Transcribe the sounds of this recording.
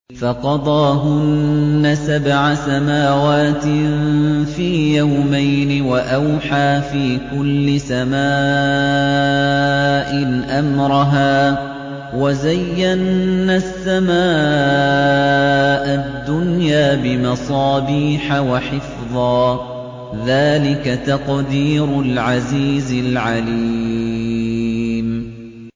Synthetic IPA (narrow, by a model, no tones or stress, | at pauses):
fɑqɑd̪ˤɑːɦʊnːasabʕasamaːwaːt̪ɪnfiːjawmajnɪwaʔawħaːfiːkʊlːɪsamaː | ʔɪʔamɾˤɑɦaː | wazajːanːasːamaː | ʔad̪ːʊnjaːbɪmɑsˤɑːbiːħawaħɪfðˤɑː | ðaːlɪkat̪ɑqd̪iːɾʊlʕaziːzɪlʕaliː | m